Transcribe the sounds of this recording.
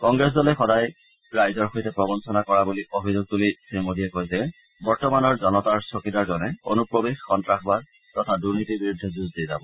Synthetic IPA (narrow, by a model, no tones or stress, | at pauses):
kɔŋɡɹɛs̬dɔlɛxɔdaj | ɹajzɔɹxojtɛpɹɔbɔnsɔnakɔɹabuliʔobʱizoɡ̚tulisimodiɛkojzɛ | bɔɹtɔmanɔɹzɔnɔtaɹsokidaɹzɔnɛo̰nupɹobexxɔntɹaxbad̚ | tɔtʰaduɹnitibiɹudʱːɛzuzdiza̰bɔ